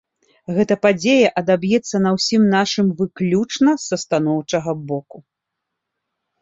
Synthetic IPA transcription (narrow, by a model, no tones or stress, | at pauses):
ɣɛt̪ɐpad͡zʲejɐʔɐd̪abjɛt̪sːɐnɐwsʲimnaʂɨmvɨklʲut͡ʂnɐsɐst̪anɔwt͡ʂɐɣɐbɔku